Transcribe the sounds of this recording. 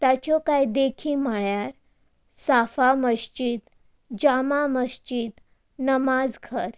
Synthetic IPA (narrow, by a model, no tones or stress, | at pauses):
t̪at͡ɕɔkajd̪ekʰiːməɭjaɾ | safaməɕt͡ɕit̪ | d͡ʑamaməɕt͡ɕit̪ | nəmad͡zɡʱəɾ